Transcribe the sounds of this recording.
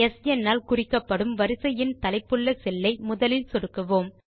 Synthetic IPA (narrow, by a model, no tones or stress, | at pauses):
ɛsɛnːaːlkʊrɪkːɐpːɐɽɯmʋɐɾɯsɐjɪnt̪ɐlɐɪpːɯɭːɐsɛlːɐɪmʊðɐlɪlsɔɽɯkːɯʋoːm